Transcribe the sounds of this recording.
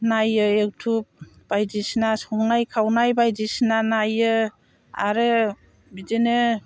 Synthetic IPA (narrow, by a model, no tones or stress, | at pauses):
najɯek̚tʰup̚ | b̥ajdisnasɔŋnajkʰawnajbajdisnanajɯ | a̰ɾɯ | bidenɯ